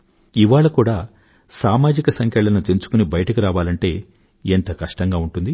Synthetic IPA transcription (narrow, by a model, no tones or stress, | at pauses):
iʋaːɭɐkuːɽaː | saːmaːd͡ʒikɐsɐŋkɛɭɐnɐt̪e̞nt͡ʃu̥kunibɐjɐʈɐkiɾaːʋaːlɐɳʈe̞ː | ent̪ɐkɐʂʈɐŋɡaːuɳʈund̪i